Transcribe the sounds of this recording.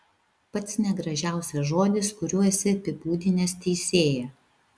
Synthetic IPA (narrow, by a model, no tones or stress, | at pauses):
pɐt̪snʲɛɡɾɐʒʲæˑʊsʲɛsʒoːd̪ʲɪskʊɾʲuːɛsʲɪpʲɪpuːd̪ʲɪnʲeːst̪ʲɛɪsʲeːjɛ